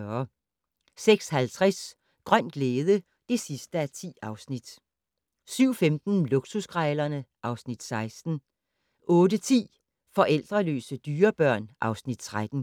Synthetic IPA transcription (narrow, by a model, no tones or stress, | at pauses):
ɐ | seɡ̥shælt͡sʰʁaɛs | ɡ̥ʁɶn̰d̥ɡ̥leːðˠə | d̥e̝sisd̥əæt͡sʰḭːɑ̈ʊsnid̥ | syʊ̰femd̥n̩loɡ̥susɡ̥ʁɑɪlɐnəʔɑ̈ʊsnid̥sɑ̈ɪsd̥n̩ | ʔɔ̽ːdət͡sʰḭː | fɒ̽ʔel̰d̥ʁɐlø̰ːsəd̥yːɐb̥ɶɐ̰nʔɑ̈ʊsnid̥t͡sʰʁad̥n̩